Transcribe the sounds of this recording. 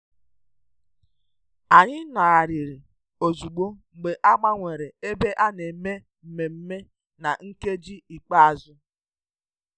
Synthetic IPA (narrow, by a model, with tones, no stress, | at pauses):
a˨ɲɪ˦na˨a˨ɾi˨ɾi˨ | o˨zu˨ɡ͡bo˦ŋ͡m̩˨ɡ͡be˨ʔa˦ɡ͡ba˦ŋʷe˨ɾe˨e˦be˦ʔa˦ne˨me˦ | m̩˨me˨m̩˦me˦ | na˨ŋ̩˦ke˦d͡ʒi˦i˨k͡pa˦a˨zʊ˦